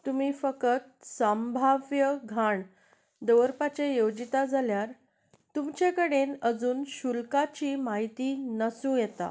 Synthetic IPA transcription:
t̪umiːfəkət̪̚sambʱaʋjəɡʱaɳ | d̪əʋəɾpat͡ɕejowd͡ʑit̪ad͡zʱaljaɾ | t̪umt͡ɕekəɽenəd͡zuːnɕulkat͡ɕiːmaɦit̪iːnəsũjet̪a̰

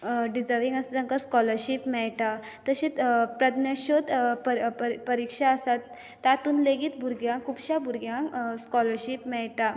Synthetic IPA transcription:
ɖid͡zəɾʋiŋɡəsd͡z̪ə̃ŋkaskɔləɾɕipmɛɭʈa | t̪əɕitpɾəd̪naɕot̪pəpəɾikʂaəsat̪ː | at̪uːnleɡiːt̪bʱuɾɡjãŋkʰubɕabuɾɡjãŋskɔləɾɕipmɛɭʈa

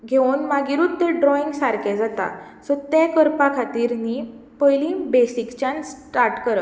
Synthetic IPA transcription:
ɡʱenmaɡiɾuːt̪ːeɖɾɔĩŋɡsaɾkɛd͡zat̪a̰ | sət̪ɛkəɾpakʰat̪iːɾni | pəjlĩbesikt͡ɕãnsʈaɾʈkəɾə

